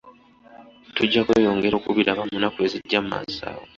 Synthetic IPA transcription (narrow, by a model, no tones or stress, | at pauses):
tuɟːakweːjo̞ːŋɡe̞ɾo̞ːkuβiɾaβamunakueziɟːammma̰za̰ːwo